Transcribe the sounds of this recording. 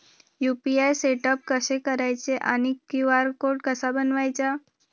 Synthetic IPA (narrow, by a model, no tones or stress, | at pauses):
jupiajseʈəp̚kəsekəɾajt͡seʔanikːiʋaɾkoɾɖkəsabənʋajt͡sa